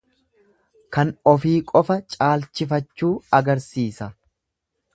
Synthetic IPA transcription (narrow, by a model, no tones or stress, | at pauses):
kɐnɔfiːkʼɔfɐt͡ʃʼaːlt͡ʃɪfɐt͡ʃːuːɐɡɐɾsiːsɐ